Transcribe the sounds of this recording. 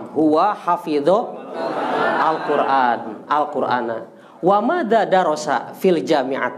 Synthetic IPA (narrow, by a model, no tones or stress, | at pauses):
ɦuwaħafiðɔ | ʔalkuɾʔanʔalkuɾʔa̰na | wamad̪adaɾɔsa̰fild͡ʒamiʕa̰